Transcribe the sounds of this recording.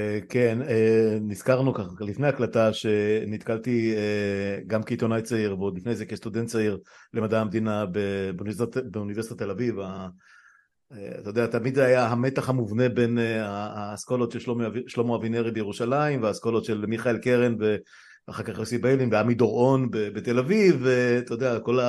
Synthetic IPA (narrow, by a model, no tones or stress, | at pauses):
keneːiz̥kaʁnukaχlifnejaklat̪aʃe̞nit̪kalt̪ieɡamkeit̪o̞najt͡saiʁvod̪lifnejzekest̪ud̪ent̪t͡saiʁle̞mad̪aːmd̪inabebunabeunive̞ʁsit̪at̪elaviva | ea̰t̪ajod̪eat̪amid̪zeajaɦame̞t̪aχhamuvne̞be̞neaaskolot̪ʃelʃoʃlomoavineʁibejeʁuʃalaimveaskolot̪ʃe̞lmiχaelkeʁenve | aχakaχlesibejlinveamid̪o̞ʁo̞nbebet̪elavivet̪ajod̪eako̞la